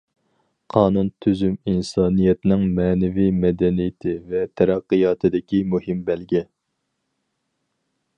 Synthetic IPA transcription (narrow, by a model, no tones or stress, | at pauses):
qʰɑːnunt̪ʰyzyminsɑːnijɛt̪nɪŋmɛːnɛvijmɛd̪ɛnijɪt̪ʰɪvɛt̪ʰɛɾɛqːɨjɑːt̪ʰɨd̪ɪkʲimuhɪmbɛlɡʲɛ